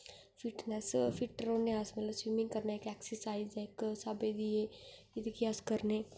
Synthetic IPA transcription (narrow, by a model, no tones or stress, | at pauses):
fiʈnɛsfiʈəɾoːneasmɐt̪ləbswimɪ̃ŋɡkɐɾnaekɛksəɾsaːɪzeksabed̪ie | ɪt̪ekiaskəɾne